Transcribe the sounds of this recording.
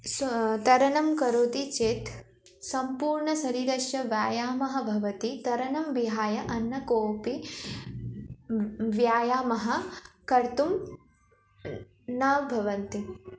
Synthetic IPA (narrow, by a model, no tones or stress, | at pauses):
st̪ɐɾɐnɐmkɐɾoːt̪it͡ʃeːt̪ | sɐmpuːɾɳɐsɐɾiːɾɐʃjɐʋjaːjaːmɐɦɐbʱɐʋɐt̪it̪ɐɾɐnɐmʋiɦaːjɐʔɐnːɐkoːpi | ʋjaːjaːmɐɦɐ̆kɐɾt̪um | naːbʱɐʋɐnt̪i